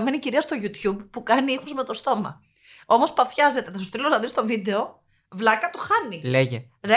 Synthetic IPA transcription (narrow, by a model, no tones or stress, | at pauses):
me̞niciɾiɐst̪o̞ʝut̪çubpːukɐniixuzme̞t̪o̞st̪o̞mɐ̰ | o̞mo̞spɐfçɐze̞t̪etes̬ost̪ilonɐðinst̪o̞vid̪e̞o̞ | vlɐkɐt̪o̞xɐnileʝe | ɾe